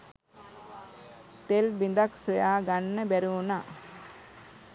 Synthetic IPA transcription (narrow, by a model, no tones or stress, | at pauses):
t̪elbind̪aksojaːɡanːəbɛɾuːna